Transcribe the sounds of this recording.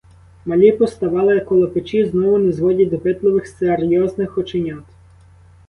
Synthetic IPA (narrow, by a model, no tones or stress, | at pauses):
mɐlʲipɔst̪ɐʋɑlˠɪjɐkːɔlˠɐpɪt͡ʃiznɔʋʊnɛzʋɔdʲɐd̪ɔpɪt̪lˠɔʋɪxserjɔznɪxɔt͡ʃenʲɔt̪